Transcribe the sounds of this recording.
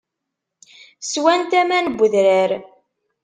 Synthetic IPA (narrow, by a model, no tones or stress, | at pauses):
swænt̪æmænbʷːəðɾəɾ